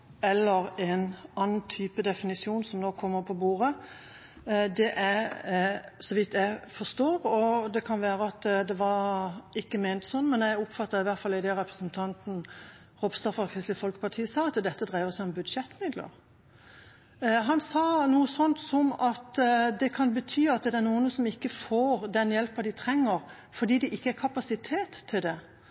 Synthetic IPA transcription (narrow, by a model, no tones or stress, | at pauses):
ɛlːəʁɛnɑːnːn̩t̪ʰyːpəd̪ɛfɪnɪsuːnsɔmnoːkʰːɔmːəɾpʰɔbuːʁə | d̪ɛʔæ | sɔʋɪt̪ʰːjæɪfɔst̪oːɾɔd̪ɛkʰɑnʋæːɾəɑt̪d̪ɛʋɑɾɪkːəmeːnt̪sɔnːmɛnjæɪʊpfɑt̪ːəɾɪʋæɾt̪fɑlɪd̪ɛʁɛpɾəsnt̪ʰɑnt̪n̩ | ʁɔbst̪ɑfɑkʰʁɪslɪfɔlkə̥pʰɑʁt̪ʰiːəsɑːɑt̪d̪ɛt̪ːəd̪ʁæɪʋəsæɪɔmbʉd̪ʂɛt̪ːmɪd̪lə̰ɾ | ɦɑnsɑːnuːəsɔnt̪sɔmɑt̪d̪ɛkʰɑnbət̪ʰyːɑt̪̚d̪ɛænuːənəsɔmɪkːəfoːɾd̪ɛnjɛlpɑd̪ɪt̪ʰɾɛŋːəɾ | fɔd̪iːd̪ɛʔɪkːəæɾkʰɑpɑsɪt̪ʰeːt̪ʰːɪld̪ɛ